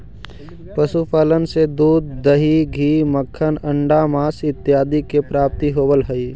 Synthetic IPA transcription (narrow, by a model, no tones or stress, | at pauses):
pəsupaːlənsed̪uːd̪ːəɦiɡʱiːməkʰːənə̃ɳɖamaːsɪt̪ːjaːd̪ikepɾaːp̚t̪iɦoːbəlɦəi